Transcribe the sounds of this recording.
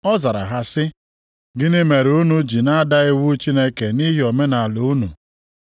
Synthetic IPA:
ɔ˦za˨ɾa̰˨ɦa˦sɪ˦ | ɡɪ˦nɪ˦me˨ɾu˦nu˨d͡ʒi˨na˦a˦da˦ɪ˦wu˦t͡ʃi˦ne˦ke˨ni˦ɦi˦o˨me˦na˨lʊ˨˦nṵ˨

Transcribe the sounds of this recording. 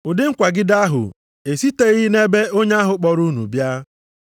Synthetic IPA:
ʊ˨dɪ˦ŋ̩˦kʷa˨ɡɪ˦da˦ɦʊ̰˨ | e˨si˦te˦ɣɪ˦ne˦be˦o˦ɲe˦a˦ɦʊ˨k͡pɔ˨ɾu˦nṵ˨bja˦

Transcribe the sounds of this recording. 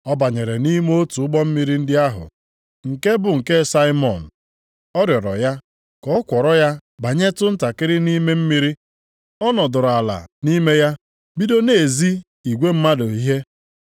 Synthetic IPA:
ɔ˦ba˨ɲe˨ɾe˨ni˦m˦o˦tu˨ʊ˦ɡ͡bɔ˦m̩˦mi˦ɾi˦n̩˦dɪ˦a˦ɦʊ̰˨ | ŋ̩˨ke˦bʊ˨ŋ̩˨ke˦sa˦ɪ˦mɔ˨n̩˨ | ɔ˦ɾjɔ˨ɾɔ̰˨ja˦ | kɔ˨˦kʷɔ˨ɾɔ˦ja˦ba˨ɲe˦tʊ˦n̩˦ta˨kɪ˦ɾɪ˦ni˦me˦m̩˦mi˦ɾi˦ | ɔ˦nɔ˨dʊ˨ɾa˨la̰˨ni˦me˦ja˦ | bi˦do˦ne˨zi˦ | i˨ɡʷe˦m̩˦ma˦do˨i˦ɦe˦

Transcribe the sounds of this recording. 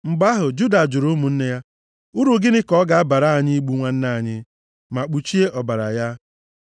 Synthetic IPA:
mŋ͡m̩˨ɡ͡ba˦ɦʊ˨d͡ʒu˦da˨d͡ʒʊ˨ɾo˦mu˨n̩˦ne˦ja˦ | ʊ˦ɾu˨ɡɪ˦nɪ˦kɔ˦ɡa˨a˦ba˨ɾa˦a˨ɲɪ˦i˦ɡ͡bu˦ŋʷa˦n̩˦na˦˨ɲɪ˦ | ma˨k͡pu˨t͡ʃi˦e˦ʔɔ˨ba˨ɾa̰˨ja˦

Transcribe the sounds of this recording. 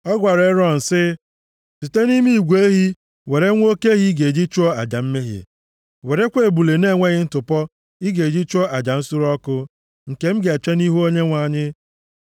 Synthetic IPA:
ɔ˦ɡʷa˨ɾe˨˦ɾɔ˦˨n̩˨sɪ˦ | si˨te˦ni˦mi˦i˨ɡʷe˦ɦi˦ | we˨ɾe˦ŋʷ˦o˦ke˦ɦi˦ɡe˨e˨d͡ʒi˦t͡ʃu˦ɔ˦a̰˨d͡ʒa˨m̩˦me˦ɦjḛ˨ | we˨ɾe˦kʷe˦˨bu˨le˨ne˦˨ŋʷe˦ɣɪ˦n̩˦tʊ˨pɔ˦ | i˦ɡe˨d͡ʒi˦t͡ʃɔ˦a˨d͡ʒa˨n̩˦su˦ɾɔ˦kʊ˦ | ŋ̩˨ke˨m̩˦ɡe˨t͡ʃe˦ni˦ɦu˦o˦ɲe˦ŋʷa˨ɲɪ˦

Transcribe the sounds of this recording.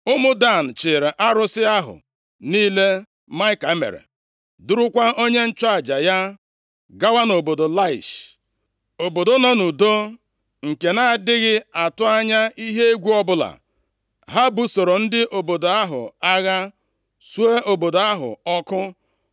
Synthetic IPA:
ʊ˦mʊ˦da˦˨n̩˨t͡ʃɪ˨ɾe˨ʔa˦ɾʊ˦sɪ˦a˦ɦʊ̰˨ | niː˦le˦ | ma˦ɪ˦ka˨˦mḛ˨ɾḛ˨ | dʊ˦ɾʊ˦kʷa˦o˦ɲe˦n̩˦t͡ʃa˦˨d͡ʒa˨ja˦ | ɡa˦wa˦no˨bo˨do˨la˦ɪ̰˨ʃ | o˨bo˨do˦no˦nu˨do˦ | ŋ̩˨ke˨na˦˨dɪ˦ɣɪ˦a˨tʊ˦a˦ɲa˦i˦ɦe˦e˦ɡʷu˦ɔ˦bʊ˦la̰˨ | ɦa˦bu˦so˨ɾo˨n̩˦dɪ˦ʔo˨bo˨do˨a˦ɦʊ̰˨a˦ɣa˦ | su˦e˦o˨bo˨do˨a˦ɦʊ̰˨ɔ˦kʊ˦

